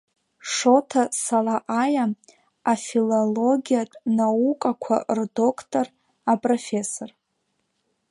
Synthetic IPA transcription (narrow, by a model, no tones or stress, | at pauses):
ʂo̞tʰasalaʔaja | afilolo̞ɡʲijatʼnaukʼakʷʰa̰rdo̞kʰtʼor | apʼrofʲe̞sor